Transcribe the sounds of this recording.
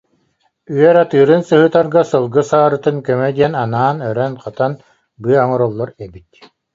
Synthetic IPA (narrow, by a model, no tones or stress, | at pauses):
yœɾat̪ɯːɾɯnsɯɦɯt̪aɾɡasɯlˠɡɯsaːɾɯt̪ɯnkɔmɛd̪ijɛnanaːnœɾɛnqat̪an | bɯɐaŋɔɾɔlˠːɔɾɛbit̪